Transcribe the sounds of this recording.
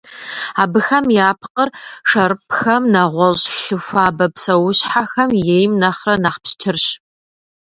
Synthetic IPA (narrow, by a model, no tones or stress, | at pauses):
aːbɨxɐmjaːpʰqərʂɐɾɨpxɐmnɐʁʷɔɕʼɬɨfʷaːbɐpsɐwʊɕħaxɐmjejmnɐχrɐnaχpɕtʰɨrɕ